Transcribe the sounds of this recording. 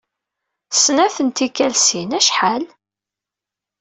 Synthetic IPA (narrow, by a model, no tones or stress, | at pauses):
snæθənt̪ikːælsinæʃħal